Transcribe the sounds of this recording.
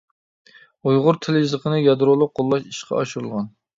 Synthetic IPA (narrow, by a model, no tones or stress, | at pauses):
ujʁʊɾt̪ʰɪljizəqʰənɨjɑd̪ɾolˠʊq̚ːolˠːɑʃiʃqʰɑ̰ɑʃuɾɨlˠʁɑn